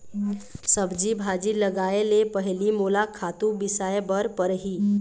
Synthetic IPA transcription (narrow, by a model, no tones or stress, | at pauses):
səbd͡ʒiːbʱad͡ʒiːləɡaelepəɦlimulakʰat̪ubisajbəɾpəɾɦiː